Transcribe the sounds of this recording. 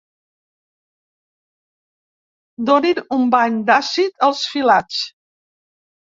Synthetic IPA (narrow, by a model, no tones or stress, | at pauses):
d̪oninumbaɲd̪asit̪əlˠsfilat͡s